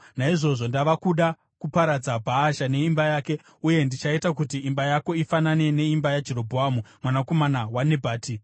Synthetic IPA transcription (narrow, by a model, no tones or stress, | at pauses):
naiʐo̞ʐo̞ndaʋakuɗa | kupaɾad͡zabʱaːʃane̞imbajaːke̞ | uje̞ndit͡ʃaitak̬utiːmbajako̞ifanane̞ne̞imbajad͡ʒe̞ɾo̞bʱoaːmumwanako̞manawane̞bʱaːti